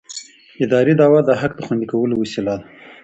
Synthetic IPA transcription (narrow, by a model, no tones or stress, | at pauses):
ɪd̪ɑɾid̪ɑwad̪əɦakd̪əxwand̪ikawəlowasilad̪a